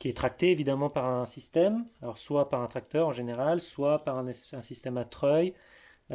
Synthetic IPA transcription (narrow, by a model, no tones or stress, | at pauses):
kʲiɛt̪χak̚t̪eːvid̪amɑ̃paʁɛ̃sist̪ɛmalɔʁswapaʁɛ̃t̪χak̚t̪œʁɑ̃ʒeneʁalswapaʁɛ̃nɛsɛ̃sist̪ɛmat̪χœj